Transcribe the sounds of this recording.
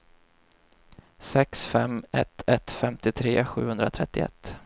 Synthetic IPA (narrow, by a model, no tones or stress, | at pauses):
sɛksfɛmɛt̪ʰɛt̪fɛmt̪ɪt̪ʰɾeːɧʉ̟ːhɵnd̪ɾat̪ʰɾɛt̪ːɪɛ̰t̪ː